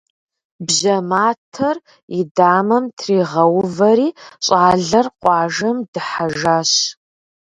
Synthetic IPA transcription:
bʑɐmaːtʰɐr | idaːmɐmtʰriːʁɐwvɐɾiːɕʼaːɮɐrqʷʼɑːʒɐmdɨħaʒaːɕ

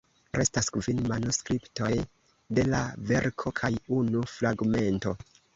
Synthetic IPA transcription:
ɾʔe̞staskvinmanuskɾipto̞j | de̞la̰ve̞ɾkʰo̞kʰajunufɾaɡme̞nto̞̰

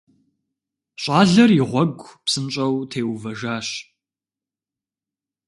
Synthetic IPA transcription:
ɕʷʼaːɮɐriʁʷɔɡʷpsɨnɕʼɐwtʰeːwvɐʒaːɕ

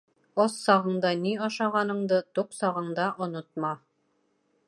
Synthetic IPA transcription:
ɑsːɑʁɤ̆ɴd̪ɑniɑʃɑʁɑnɤ̆ɴd̪ɤt̪uqsɑʁɤ̆ɴd̪ɑʔŏnot̪̚mɑ

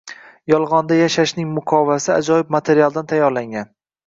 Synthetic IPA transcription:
jɒlˠʁɒnd̪ajaʃaʃnɪŋmʊqʰɒvasɪa̰d͡ʒɒjɪb̚mat̪ʰe̞ɾialˠd̪ant̪ʰajːɒɾlaŋɡʲan

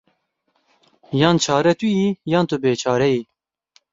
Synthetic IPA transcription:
jɑːnt͡ʃʰɑːɾɛt̪ʰujiːjɑːnt̪ɨbeːt͡ʃʰɑːɾɛji

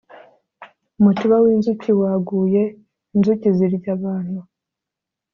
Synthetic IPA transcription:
umutuβawiːnzuciwaɡuːje̞ | inzuciziɾɟaβaːnhu

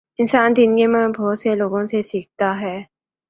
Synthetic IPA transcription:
insʰand̪inɡimɯnposʰeloɡonsʰesʰiik̚t͈aɦe

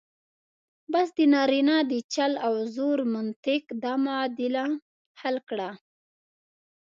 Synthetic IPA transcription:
bas̬d̪ənɑɾinɑd̪ət͡ʃalawzoɾmʊnt̪ɪkd̪amad̪ɪla | halkɽa

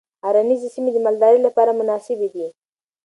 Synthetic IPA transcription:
aɾanizesimed̪əmald̪ɑɾəjlapɑɾamʊnɑsɪbed̪i

